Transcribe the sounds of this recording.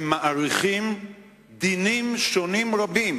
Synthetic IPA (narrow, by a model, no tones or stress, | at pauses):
maʔaɾiχim | d̪inimʃonimʁabim